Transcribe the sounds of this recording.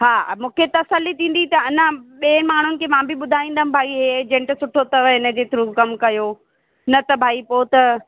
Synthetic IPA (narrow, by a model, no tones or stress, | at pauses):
ɦaːmũːkʰet̪ɐsəlːit̪ʰĩːn̆d̪it̪ɐɪnə̃ɓĩmaːɳ̤ʊnɪ̆kʰeːmãːbɪɓʊd̪ʱaːĩːnd̪ɐɦmbʱaːiɦed͡ʑɛ̃ɳʈsʊʈʰot̪ɐʋəɦɪnə̆d͡ʑeːt̪ɪɾukɐmkɐjo | nɐt̪ɐbʱaːipoːt̪ɐ